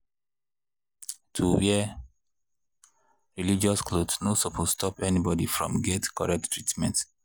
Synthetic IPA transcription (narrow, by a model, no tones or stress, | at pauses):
tʰuwɛ | ɹilid͡ʒɔsklodsnosopʰosstʰɔpɛnibɔdifɹɔ̰̃mɡɛtkɔɹɛk̚ttʰːɹitmɛ̰̃nt